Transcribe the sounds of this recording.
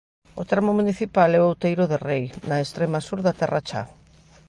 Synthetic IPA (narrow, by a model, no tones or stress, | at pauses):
ot̪ɾamomuniθipalɛʊawt̪ejɾʊðerejnaest̪ɾemasuɾðat̪ɛra̰t͡ʃa̰